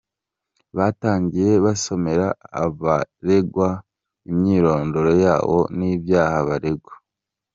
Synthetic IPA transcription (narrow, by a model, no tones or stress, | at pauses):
βaːtaːɲɟije̞βaso̞me̞ɾa̰ːβaɾe̞ɡwa | imɲiːɾo̞ːndo̞ɾojaːwo̞̰niːbjaːhaβaɾeɡwa